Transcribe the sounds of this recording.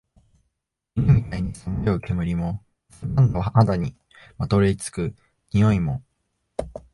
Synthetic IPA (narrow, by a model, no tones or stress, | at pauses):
iemʲit̪aiɲ̟isɨmeoke̞mɯ̟ɾʲimo̞ | sãnd̪ohad̪aɲ̟i | mat̪o̞ɾet͡sɨ̥kɯ̟ | ɲijo̞imo̞